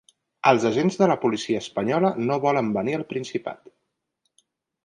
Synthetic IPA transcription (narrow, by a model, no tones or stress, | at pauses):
əlˠzəʒenzðələpulisiəːspəɲɔlənoβɔləmbəniəlˠpɾinsipa̰t̪